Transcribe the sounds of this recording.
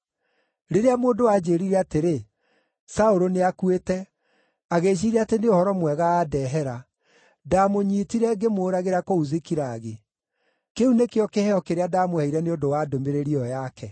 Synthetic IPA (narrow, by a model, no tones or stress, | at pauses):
ɾeɾeamoːndowad͡ʑeːɾiɾɛateɾe | saoɾoneakuetɛ | aɣeːɕ̬iɾɛateneohɔɾɔmwɛɣaːdɛːɦɛɾa | damoɲiːtiɾɛɡemoːɾaɣeɾakouzekiɾaːɣe | keunekeɔkehɛɔkeɾeadamohɛiɾɛneondowadomeɾeɾiɔjakɛ